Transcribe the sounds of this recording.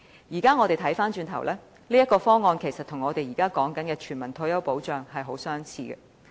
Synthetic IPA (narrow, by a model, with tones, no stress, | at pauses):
jiː˨˩kaː˥ŋɔː˨˧ɾe˨jt̪ʰɐ˨˥jfaː˥nt͡ʃyː˧nt̪ʰɐ˨˩wlʔɛː˥ | liː˥jɐ˥t̚kɔː˧fɔː˥ŋɔː˧nkʰe˨˩jsɐ˨t̚t̪ʰʊ˨˩ŋɔː˨˧t̪e˨jiː˨˩kaː˥kɔː˨˥ŋkɐ˨˥nkɛː˧t͡ʃʰyː˨˩nmɐ˨˩nt̪ʰɵ˧˥jɐ˥wpo˨˥wt͡ʃœː˨ŋɦɐ˨jɦo˨˥wsœː˥ŋt͡sʰiː˧ɡɛ̰˧